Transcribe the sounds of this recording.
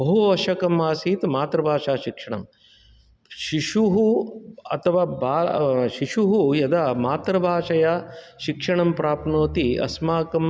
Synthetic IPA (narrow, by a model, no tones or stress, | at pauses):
bɐɦuɐʃɐkɐmːaːsiːt̪maːt̪ɾɐbʱaːʃaːʃikʂɐɳɐ̰m | ʃiʃuɦuɐ̰t̪ʰɐʋaːbaːʃiʃuɦujɐd̪amaːt̪ɾɐbʱaːʃɐjaːʃikʂɐɳɐmpɾaːpnoːt̪iɐ̰smaːkɐm